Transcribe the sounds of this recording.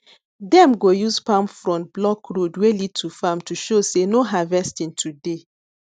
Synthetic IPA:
dɛ̃mɡojuzpãmfɹɔ̃blɔkɹodwelid̚tʰufamtuʃosenoɦavɛstĩntʰude

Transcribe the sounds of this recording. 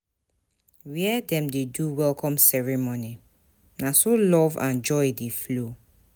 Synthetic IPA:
wiɛdɛ̃mdeduwɛlkɔ̃msɛɹimoni | nasolɔvã̰nd͡ʒɔjdeflo

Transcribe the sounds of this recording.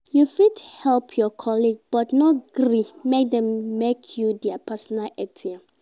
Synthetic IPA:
jufidhɛlpʰjɔkʰɔliɡb̥ɔtnɔtɡɾimek̚dɛ̃mmekʰjudɛapʰɛsɔnalɛtʰia

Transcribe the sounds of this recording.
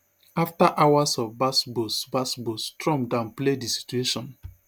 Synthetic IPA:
aftaʔawasɔvbasbosbasbostɹɔ̃mdãnpledisi̥t͡ʃueʃɔ̃n

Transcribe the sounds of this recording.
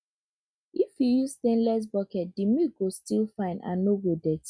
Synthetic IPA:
ifjujuzt̪ẽnlɛs̬bɔkɛt̚d̥imiɡostilfãɪ̃ndã̰nːoɡodɛt

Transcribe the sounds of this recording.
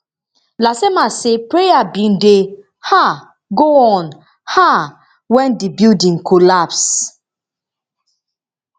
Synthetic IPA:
lasemasepɹejabĩnde | ha | ɡoɔ̃n | ha | wɛ̃ndibildĩŋkolaps

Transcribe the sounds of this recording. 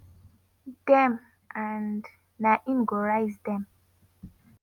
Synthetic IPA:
d̥ɛm | ʔãndː | aʔĩnɡɔɹajzdɛ̃m

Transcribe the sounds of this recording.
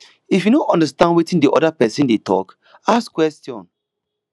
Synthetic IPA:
ifjunoʔɔ̃ndastãndwetĩndiʔɔ̰dapɛsĩndetʰɔ̰k | askwɛstjɔ̰̃n

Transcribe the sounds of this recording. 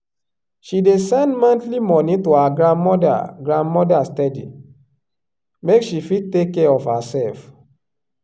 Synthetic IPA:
ʃidesɛ̃ndmãntlimɔnitoaɡɹãndmɔda̰ɡɹãndmɔdastɛdḭ | mekʃifid̚tekːɛɔfhasɛlf

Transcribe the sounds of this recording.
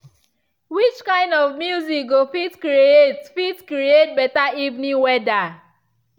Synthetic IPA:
wit͡ʃkãɪ̃ndɔvmjuzik̚ɡofitkɾietfitkɾiet̚bɛtaivnĩwɛda

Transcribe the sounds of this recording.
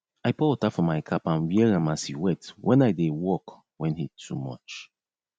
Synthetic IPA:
aɪpɔtafɔmaɪkʰapãnwiɛɾãmashiwɛ̃twʔɛ̃naɪdewɔk | wɛ̃nhitʰumɔ̰t͡ʃ

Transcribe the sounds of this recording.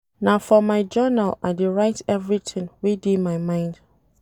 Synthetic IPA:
nafɔmaɪd͡ʒanala̰ɪdeɹaɪtʰɛvɹitʰɪ̃ŋwidimaɪmãɪ̃nd̥

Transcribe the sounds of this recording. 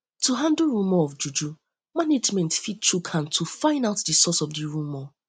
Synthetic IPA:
tuɦãndəlɹũmɔɔfd͡ʒud͡ʒu | maned͡ʒmɛ̃ntfit̚t͡ʃukʰãntʰufãɪ̃ndaʊtdisɔsɔfdiɹũmɔ

